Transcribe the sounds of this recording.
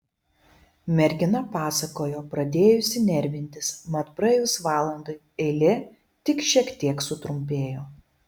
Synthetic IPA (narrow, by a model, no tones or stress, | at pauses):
mʲɛɾʲɡʲɪnɐpɑːsɐkoːjoːpɾɐd̪ʲeːjʊsʲɪnʲɛɾʲʋʲɪnʲt̪ʲɪsmɐt̪pɾɐjʊsʋɑːlˠɐnd̪ʊɪ | elʲɪ | t̪ʲɪkʃʲiɛkt̪ʲiɛksʊt̪ɾʊmʲpʲeːjoː